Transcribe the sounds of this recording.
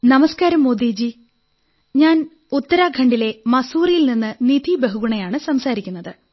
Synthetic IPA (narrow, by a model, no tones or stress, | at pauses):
nɐmɐskaːɾɐmːoːd̪iːd͡ʑi | ɲaːn | ut̪ːɐɾaːɡʰʱɐɳɖile̞mɐsuːrijilninːɨnid̪ʱibeɦuɡuɳɐjaːɳɨsɐmsaːɾikʲːunːɐðɨ